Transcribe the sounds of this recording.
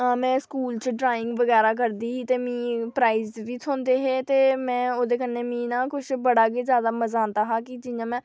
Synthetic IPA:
mɛ̃ːskuːlt͡ʃəɖɾaːɪŋɡʋəɡɛːɾaːk̬əɾd̪iːɦiːt̪eːmĩːpɾaːiːzʋiːt̪ʰõːnd̪eːɦeːt̪eːmɛ̃ːoːd̪eːkənːeːmĩːnaːkʊʃbəɽaːɡeːzjaːd̪aːməzaːnd̪aːɦaːkɪd͡ʒɪjãːmɛ̃ː

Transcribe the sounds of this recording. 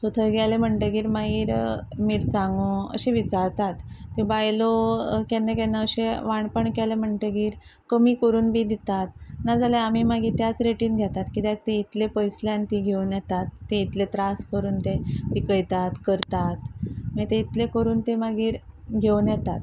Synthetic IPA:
sot̪ʰəɡʱajlem̤əɳʈəɡiːɾmaiːɾmiːɾsãŋɡoə̰ɕeʋit͡saɾt̪at̪ːibajlokɛnːekɛnːəəɕeʋaɳpəɳkalem̤əɳʈəɡiːɾ | kəmiːkəɾuːnbʱiːd̪it̪at̪̚nad͡zalaamiːmaɡiːt̪jat͡sɾeʈiːnɡʱjat̪at̪kit̪at̪ːeit̪lepəjsljant̪iɡʱewnjɛt̪at̪ːeit̪let̪ɾaskəɾuːnt̪eb̪ikəjt̪at̪kəɾt̪at̪mət̪eit̪lekəɾuːnt̪emaɡiːɾɡʱewnjɛt̪at̪

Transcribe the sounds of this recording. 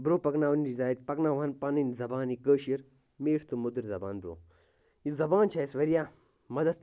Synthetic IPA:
bɾoːpɐknaːʋunid̪aːjit̪̚pɐknaːʋɐnpɐnɨnzɐbaːnikəːʃiɾ | meːʈʰt̪umud̪ɨɾʲzɐba̰ːnbɾo̰ː | izɐbaːnt͡ʃʰaːisʋɐɾijaː | mɐd̪ɐt̪

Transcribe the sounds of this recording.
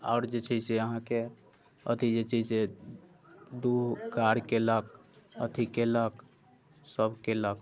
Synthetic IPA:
a̰ʊɾd͡ʒet͡ʃʰəseəɦãke | ə̰t̪id͡ʒet͡ʃʰəse | d̪ukaɾkelək̚ət̪ʰikelək | səbkelək

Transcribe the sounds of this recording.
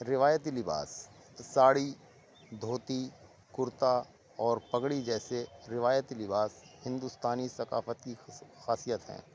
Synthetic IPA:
ɾɪʋaːjət̪ilɪba̰ːsː | aːɽi | d̪ʱoːt̪i | kʊɾt̪a | ɔːɾpɐɡɽid͡ʒɛːseɾɪʋaːjət̪lɪbaːshɪ̃nd̪ust̪aːnisɐka̰ːfət̪kixaːsijət̪ɦɛ̰̃ː

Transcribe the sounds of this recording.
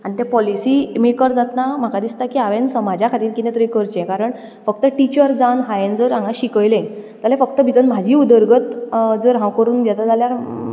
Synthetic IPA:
anit̪jɛpɔlisimekəɾd͡zat̪nam̤akad̪ist̪akiːaʋensəmad͡ʑjakʰat̪iːɾkit̪ɛ̃t̪ɾikəɾt͡ɕɛ̃kaɾəɳ | fəkt̪əʈit͡ɕəɾd͡zanɦajend͡zəɾãŋɡaɕikəjlẽt̪alɛfəkt̪əbʱit̪ənm̤ad͡ʑʱiːud̪əɾɡət̪d͡zəɾɦãwkəɾuːnd̪jat̪ad͡zaljaɾ

